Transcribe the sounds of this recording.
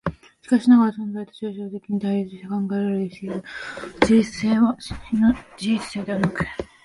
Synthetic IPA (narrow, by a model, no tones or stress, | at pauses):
ɕi̥kaɕinaɡaɾasõ̞nzait̪o̥ɕiɕoːt̪e̞kʲiɲ̟it̪aiist̪ekãŋɡaeɾeɾɯd̪esedod͡ʑiseːanod͡ʑiit͡sɨ̥seːd̪e̞βanakɯ̥